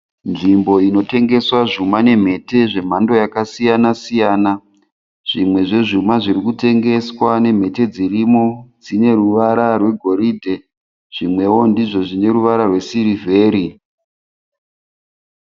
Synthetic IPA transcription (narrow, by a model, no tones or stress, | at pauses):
nʐimbo̞ino̞te̞ŋɡe̞swaʐumane̞m̤e̞te̞ʐe̞m̤ando̞jakasijanasijaːna | ʐ̥imwe̞ʐe̞ʐumaʐirikute̞ŋɡe̞swane̞m̤e̞te̞d͡zirimo̞d͡zine̞ɾuʋaɾarwe̞ɡʱo̞ɾiːdʱe | ʐ̥imwe̞wo̞ndiʐo̞ʐine̞ɾuʋaɾarwe̞siɾive̞ːɾi